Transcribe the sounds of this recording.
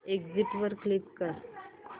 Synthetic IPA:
eɡd͡ziʈʋəɾklipkəɾ

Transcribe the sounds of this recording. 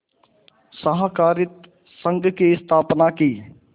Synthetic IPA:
səɦəkaːɾɪt̪ | sə̃ŋɡkiɪst̪ʰaːpnakiː

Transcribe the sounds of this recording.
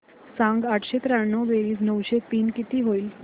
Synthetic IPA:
sãŋɡaʈʰɕet̪ɾaɽnəwʋeʋiːs̬nəwɕet̪iːnkit̪iːɦoil

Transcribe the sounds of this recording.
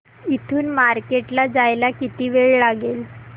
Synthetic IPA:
it̪ʰuːnmaɾkeʈlad͡zajlakit̪iːʋeɭlaɡel

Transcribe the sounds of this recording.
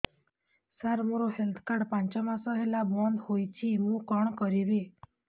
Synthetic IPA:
saɾmoɾoɦelt̪ʰkaɽpãnt͡ʃɔmãsɔɦelabɔnd̪hojt͡ʃʰiɦũkɔɳkɔɾiʋe

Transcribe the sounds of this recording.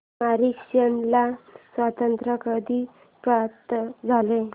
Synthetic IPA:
maɾikʂənlasʋat̪ənt̪ɾəkəd̪i | pɾapt̪d͡zʱale

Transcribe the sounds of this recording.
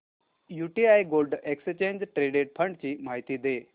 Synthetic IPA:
juʈiajɡolɖeksət͡ɕeɲd͡ʑʈɾeɖeʈ̚pʰəɳɖt͡ɕiːmaɦit̪iːd̪e

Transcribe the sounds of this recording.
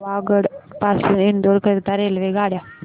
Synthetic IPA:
ʋaːɡəɽpaːsuɪnd̪oːɾkəɾt̪aɾeːlʋeɡaːɽjaː

